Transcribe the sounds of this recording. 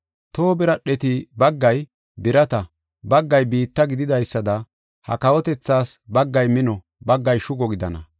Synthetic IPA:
t̪oːbɪɾɐɗɛt̪ɪbɐɡːɐj | bɪɾɐt̪ɐ | bɐɡːɐjbiːt̪ːɐɡɪd̪ɪd̪ɐjsːɐd̪ɐ | hɐ̰kɐwɔt̪ɛt͡sːaːsbɐɡːɐjmɪnɔ | bɐɡːɐjʃʊɡɔɡɪd̪ɐnɐ̰

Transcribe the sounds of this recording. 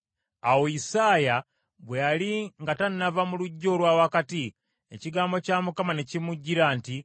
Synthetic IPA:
awoisaːja | βwealiŋɡatannavamuluɟːo̞ːlwawakati | ḛciɡaːmbo̞camukamane̞cimuɟːiɾaːnti

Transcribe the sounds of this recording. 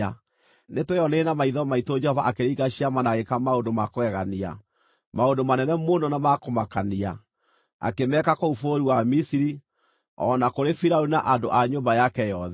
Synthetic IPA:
a | netweɔnenamaiðɔmaitod͡ʒɛhɔvaʔakeɾiːɣaɕiamanaɣekamaondomakoɛɣania̰ | maondomanɛnɛmonɔnamakomakania | a̰kemɛkakoufoɾiwamisiɾi | ɔ̰nakoɾefiɾaunaʔando̰ʔaɲoːmbajakɛjɔðɛ

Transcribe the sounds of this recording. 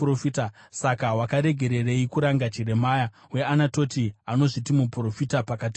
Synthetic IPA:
rofita | sakawakaɾe̞ɡʱe̞ɾe̞reikuɾaŋɡat͡ʃire̞maːja | we̞anato̞tiano̞ʐitimupuro̞fitapakati

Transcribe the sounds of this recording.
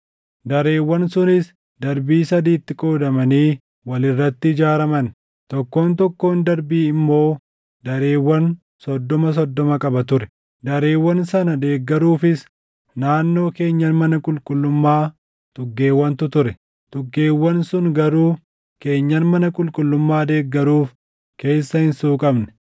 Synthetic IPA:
d̪ɐɾeːwːɐnsʊnɪs | d̪ɐɾbiːsɐd̪iːt̪ːɪkʼo̞ːd̪ɐmɐniː | wɐlɪrːɐt̪ːɪɪd͡ʒaːɾɐmɐn | t̪ɔkːo̞ːnt̪ɔkːo̞ːnd̪ɐɾbiːɪmːo̞ː | d̪ɐɾe̞ːwːɐn | sɔd̪ːɔmɐs̬ɔd̪ːɔmɐkʼɐbɐt̪ʊɾɛ̥ | d̪ɐɾe̞ːwːɐnsɐnɐd̪e̞ːɡːɐɾuːfɪs | naːnːo̞ːke̞ːɲːɐnmɐnɐkʼʊlkʼʊlːʊmːaː | t̪ʼʊɡːe̞ːwːɐnt̪ʊt̪ʊɾɛ | t̪ʼʊɡːe̞ːwːɐnsʊnɡɐɾuː | ke̞ːɲːɐnmɐnɐkʼʊlkʼʊlːʊmːaːd̪e̞ːɡːɐɾuːf | ke̞ːsːɐhɪnsuːkʼɐbnɛ̥

